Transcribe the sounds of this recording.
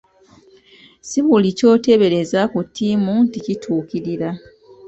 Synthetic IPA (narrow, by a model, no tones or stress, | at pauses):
siβulico̞ːte̞βe̞ɾe̞zakutʰːimunticitʰuːkiɾiɾa